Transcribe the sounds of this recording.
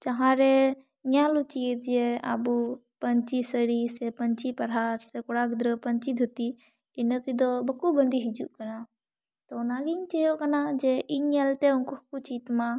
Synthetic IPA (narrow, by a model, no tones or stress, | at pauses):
t͡ʃɐɦãɾe | ɲalut͡ʃit̪d͡ʒea̰bupənt͡ʃisəɾisepənt͡ʃipɐɾɦaɾsekʊɽaɡd̪ɾəpənt͡ʃid̪ʱut̪i | ɪnət̪id̪obɐkubənd̪iɦid͡ʒuʔkəna | t̪ɔʊnaɡint͡ʃejokɐnad͡ʒeʔiɲəlt̪eunkukut͡ʃit̪mã